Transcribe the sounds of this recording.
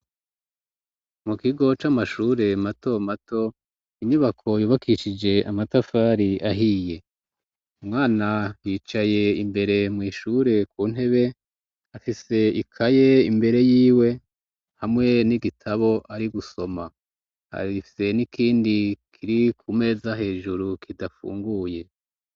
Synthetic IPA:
mukiɡo̞t͡ʃamaʃuːɾe̞mato̞matʰo̞ | iɲuβakʰo̞juːβakʰiʃid͡ʒe̞amatafaːɾiʔaɦije̞ | umŋaːnajiːt͡ʃaje̞imbe̞ɾe̞mŋiːʃuɾe̞kuːn̥e̞βe̞ | afise̞ikʰaje̞imbe̞ɾe̞jiːwe̞ | hamŋe̞niɡitʰaβo̞ʔaɾiɡuso̞ma | ha̰ɾiifi̥se̞nikʰiːndikʰiɾikʰume̞ːzaɦe̞ːʒuɾukʰidafṵːŋɡuje̞

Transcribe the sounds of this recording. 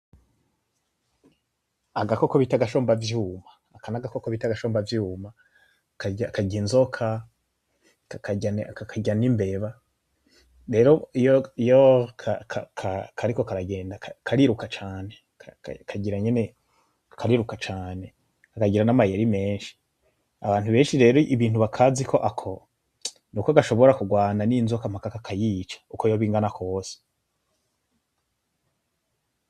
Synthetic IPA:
aɡakokoβitaɡaʃoːmbavjuːmaːkanaɡakokoβitaɡaʃoːmbavjuːma | kaakaɟinzo̞kʰa | akaankakʰaɟanimbe̞βa | ɾe̞ɾo̞ijoijokʰakʰakʰakʰaɾiko̞kaɾaɡe̞ːndakakʰaɾiɾukat͡ʃaːne̞ | kʰaɟiɾaɲe̞ne̞ | akʰaɾiɾukat͡ʃaːne̞ | akaɟiɾanamajeɾime̞ːnʃi̥ | aβaːntuβe̞ːnʃiɾe̞ːɾoʔiβiːn̥uβakʰaːzikʰo̞ʔakʰo̞ | nuːkoaɡaʃo̞βo̞ɾakuɡwaːnaninzokam̥hakakakʰajiːt͡ʃḁuko̞jo̞βiːŋɡanakʰo̞ːse̥

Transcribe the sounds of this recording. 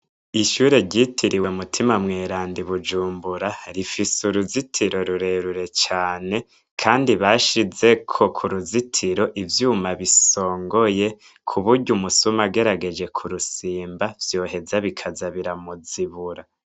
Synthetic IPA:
iʃuːɾe̞ɟitʰiɾiwuumutʰimamŋeːɾaːndiβud͡ʒuːmbuɾaɾifisuɾuzitʰiɾo̞ɾuɾe̞ɾuɾe̞t͡ʃaːne̞ | kʰaːndiβaʃize̞kʰo̞kʰuɾuzitʰiɾo̞ʔivjuːmaβiso̞ːŋɡoje̞ | kʰuβuɾɟumusumaɡe̞ɾaɡe̞d͡ʒe̞kʰuɾusiːmbav̥jo̞ːɦe̞zaβikʰazaβiɾamuziβuɾa

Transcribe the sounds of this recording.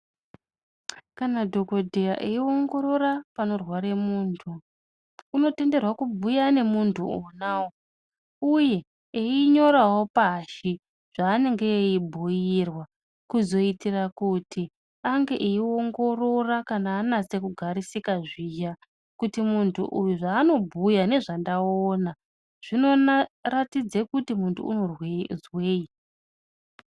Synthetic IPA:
kanadʱo̞ko̞dʱeja̰ʔeio̞ŋɡo̞ɾo̞ɾapano̞rwaɾe̞muːntʰuː | no̞te̞nde̞rwakubʱujane̞muntʰuonawo | uje̞ | eiɲo̞ɾawo̞paʃi | ʐ̥aːne̞ŋɡe̞ːibʱuirwa | kuzo̞itirakutʰi | aŋɡe̞ʔiio̞ŋɡo̞ro̞rakanaːnat͡se̞kuɡʱaɾisikaʐiːja | kutimuntʰṵʔujuʐaːno̞bʱujane̞ʐandaona | ʐ̥ino̞ratid͡zekutimuntʰṵṵno̞rwezweːi

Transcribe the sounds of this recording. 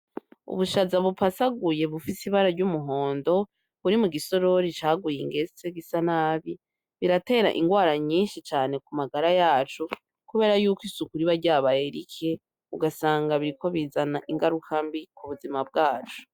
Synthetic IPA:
ṵβuʃazaβupasaɡuje̞βufisiβaɾaɾɟumuɦo̞ːndo̞ | βuɾimuɡiso̞ɾo̞ɾit͡ʃaːɡujiŋɡe̞t͡seɡisanaβi | βiɾate̞ːɾa̰ʔḭŋɡwaːɾaɲiːnʃit͡ʃaːne̞kumaɡaɾajaːt͡ʃu | kuβe̞ːɾajuːkwisukuɾiβaɾɟaːβae̞ɾikʰe | uɡasaːŋɡaβiɾikʰo̞βizanaʔiŋɡaɾukʰambikuβuzimab̚ɡaːt͡ʃu̥

